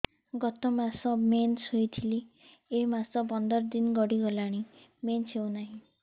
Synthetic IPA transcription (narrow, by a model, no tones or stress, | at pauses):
ɡɔt̪ɔmasɔmensojt̪ʰili | emasɔbɔnd̪ɔɾd̪inɡɔɽiɡɔlaɽ̃i | mensewnaɦĩ